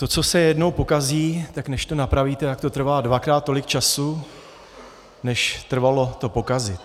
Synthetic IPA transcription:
t̪o̞t͡so̞sɛjɛdno̞wpo̞kaziːt̪aknɛʃt̪o̞napɾaviːt̪ɛt̪ak̚t̪o̞t̪r̩vaːdvakɾaːt̪̚ːo̞lɪkt͡ʃasu | nɛʃt̪r̩valo̞t̪o̞po̞kazɪt̪

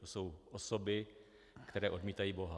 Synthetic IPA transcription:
osowʔosobɪ | kt̪ɛɾɛːʔo̞dmiːt̪ajiːbo̞ɦa

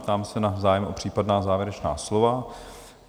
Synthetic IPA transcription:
pt̪aːmɛsɛnazaːjɛmʔo̞pr̝̥iːpadnaːzaːvjɛɾɛt͡ʃna̰ːslo̞va

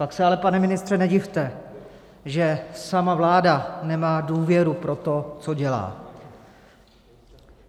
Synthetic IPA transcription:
paksɛalɛpanɛmɪnɪst̪r̥ɛnɛɟɪft̪ɛ | ʒɛsamavlaːdanɛmaːduːvjɛɾupɾo̞t̪o̞t͡soɟɛla̰ː

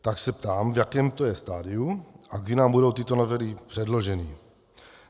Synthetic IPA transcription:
t̪aksɛpt̪aːmvjakɛːmt̪ojɛst̪aːdɪuʔaɡdinaːmbudo̞wt̪ɪt̪onovɛlipr̥ɛdlo̞ʒɛni

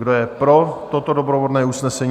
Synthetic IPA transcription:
ɡdojɛpɾo̞t̪ot̪odobɾovodnɛːusnɛsɛɲ

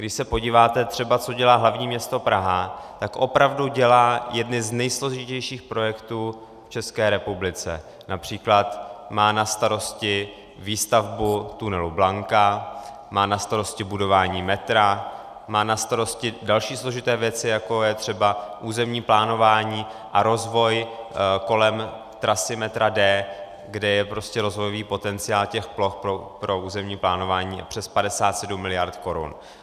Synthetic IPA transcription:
ɡdɪʃsɛpo̞ɟiːvaːt̪ɛt̪r̥ɛbat͡so̞ɟɛlaːɦlavɲiːmɲɛst̪o̞pɾaɦat̪akʔo̞pɾavduɟɛlaːjɛdnɪznɛjslo̞ʒɪcɛjʃiːxpɾo̞jɛkt̪uː | ft͡ʃɛskɛːɾɛpublɪt͡sɛ̰ | napr̝̥iːklat̪maːnast̪aɾo̞scɪ | viːst̪avbut̪unɛlublaŋka | maːnast̪aɾo̞scɪbudo̞vaːɲiːmɛt̪ɾa | maːnast̪aɾo̞scɪdalʃiːslo̞ʒɪt̪ɛːvjɛt͡sɪjakojɛt̪r̝̥ɛbaʔuːzɛmɲiːplaːno̞vaːɲiːʔaɾo̞zvo̞jko̞lɛm | t̪ɾasɪmɛt̪ɾadɛː | ɡdɛjɛpɾoscɛɾo̞zvo̞joviːpo̞t̪ɛnt͡sɪaːlcɛxplo̞xpɾopɾo̞ʔuːzɛmɲiːplaːno̞vaːɲḭːpr̝̥ɛspadɛsaːt̪sɛdumːɪlɪjaɾt̪ko̞ɾṵn

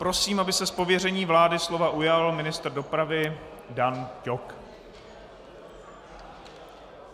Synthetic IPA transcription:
pɾo̞siːmʔabɪsɛspo̞vjɛrɛɲiːvlaːdɪslo̞vaʔujalmɪnɪst̪r̩do̞pɾavɪdancok

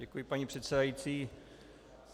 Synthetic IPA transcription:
ɛkujɪpaɲipr̥ɛt̪sɛdajiːt͡siː

